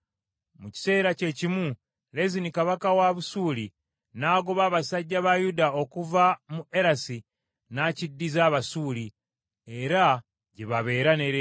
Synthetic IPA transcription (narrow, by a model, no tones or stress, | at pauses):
muci̥se̞ːɾace̞cimu | le̞zinikaβakawaβusuːli | naːɡoβaːβasaɟːaβajudao̞kuvamuʔe̞ɾasi | nacidːizaːβasuːli | e̞ɾa | ɟeβaβe̞ːɾane̞ɾe